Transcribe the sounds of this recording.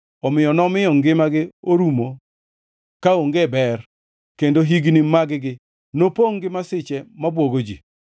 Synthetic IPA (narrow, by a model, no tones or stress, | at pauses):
ɔmɪjɔnɔmɪjɔŋɡɪmaɡɪoɾumo | kaoŋɡebɛr | kendoɦiɡnimaɡɪɡɪ | nopoŋɡɪmasɪt͡ʃɛmabwoɡod͡ʒḭ